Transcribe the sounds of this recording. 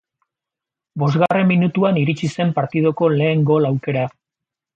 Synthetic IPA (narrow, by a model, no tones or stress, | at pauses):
bo̞zɣare̞mːinut̪uaniɾit͡ʃise̞mpaɾt̪ið̞o̞ko̞le̞ːŋɡo̞lawke̞ɾa